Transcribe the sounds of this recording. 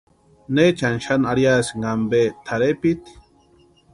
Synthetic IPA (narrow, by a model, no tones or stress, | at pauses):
net͡ɕanʃanaɽjasŋɡambet̪ʰaɾepit̪